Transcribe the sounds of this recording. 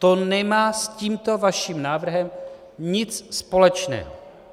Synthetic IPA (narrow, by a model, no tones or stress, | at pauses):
t̪onɛmaːsciːmt̪o̞vaʃiːmnaːvr̩ɦɛm | ɲɪt͡sspo̞lɛt͡ʃnɛ̰ːɦo